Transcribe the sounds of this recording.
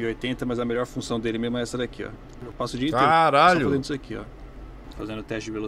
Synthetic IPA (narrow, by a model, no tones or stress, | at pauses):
iojt̪ẽnt̪ɐmɐzɐmeʎɔɾfũsɐ̃w̃d̪elɪmezmʊɛsɛɾakiɔ̰ | wpasʊd͡ʒiĩaɾaʎoʊfzẽd̪isakiɔ̰ | fazẽnd̪ʊt̪ɛʃt͡ʃɪd͡ʒɪvelo